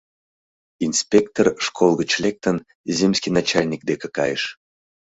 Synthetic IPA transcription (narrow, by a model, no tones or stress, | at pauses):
inspʲekt̪orʃkʰolˠɣət͡ɕlʲek̚t̪ən | zʲemʲsʲkʲinɑt͡ɕalʲnʲik̚d̪ekəkɑ̰jəʃ